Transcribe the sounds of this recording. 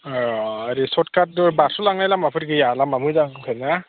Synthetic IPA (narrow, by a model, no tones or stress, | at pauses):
aɾisɔtkʰat̚basʰulaŋajlamapʰɯtɡɯjalamamɯjzakʰana